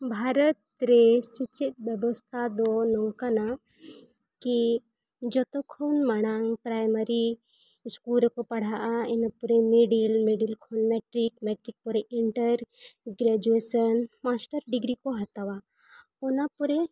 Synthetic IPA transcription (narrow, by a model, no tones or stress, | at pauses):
bʱaɾət̪ɾesit͡ʃit̪̚bjəbɔst̪ʰad̪ɔnɔwkana | ki | d͡ʒɔt̪ɔkʰonmaɽ̃aŋpɾajməɾi | skulɾkɔpɐɽ̤aʔainapuɾemeɖilmeɖilkʰonmeʈɾikmɛʈɾik̚pɔɾeʔiɳʈəɾɡɾad͡ʒuesənmasʈəɾɖiɡɾikoɦat̪awa | ɔnapuɾe